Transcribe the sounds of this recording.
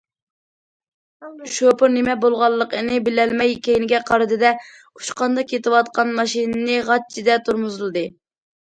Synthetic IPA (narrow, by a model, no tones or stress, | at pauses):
ʃopɨɾnɪmɛbolˠʁɑlˠːəqənɨbɪlɛlmɛjkʲejnɪɡʲɛqʰɑɾɨd̪ɨd̪ɛ | u̥ʃqɑnd̪ɑkjet̪ɨwɑt̪qɑnmɑʃinɨnɨʁɑt̪̚t͡ʃʰid̪ɛt̪ʰuɾmuzɨlˠɨd̪ɨ